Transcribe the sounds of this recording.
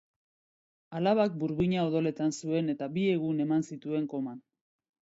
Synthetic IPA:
alaβak̚buɾβiɲao̞ðo̞le̞t̪ansue̞ne̞t̪abie̞ɣ̞une̞mansit̪ue̞ŋko̞man

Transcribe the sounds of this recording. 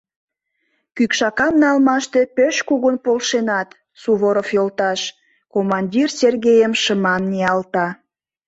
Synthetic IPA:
kykʃɑkɑmnɑlmɑʃt̪e̽pøʃkuɣənpolʃenɑt̪ | suβoɾofjolt̪ɑʃ | komɑnʲdʲirserɣejəmʃəmɑnnʲiɑlt̪ɑ

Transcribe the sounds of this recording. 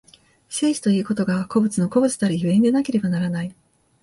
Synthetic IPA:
se̞ːɕi̥t̪o̞ii̟ːko̞t̪o̞ɡako̞bɯ̟t͡sɨno̞ko̞bɯ̟t͡sɨ̥d̪aɾʲiçɯ̟ẽ̞nd̪e̞nake̞ɾe̞banaɾanai

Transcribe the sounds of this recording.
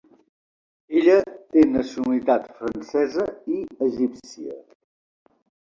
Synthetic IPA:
eʎət̪enəsiunəlit̪at̪fɾənsɛzəiəʒipsiə̰

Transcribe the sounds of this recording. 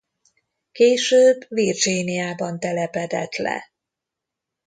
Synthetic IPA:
keːʃøːbvird͡ʒinijaːbɒnt̪ɛlɛpɛd̪ɛ̰t̪lɛ̰

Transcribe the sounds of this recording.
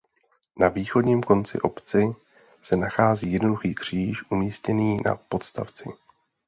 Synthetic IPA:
naviːxo̞dɲiːmko̞nt͡sɪ̰ʔo̞pt͡sɪ | sɛnaxaːziːjɛdno̞duxiːkr̝̥iːʃʔumiːscɛniːna̰po̞t̪st̪a̰ft͡sɪ

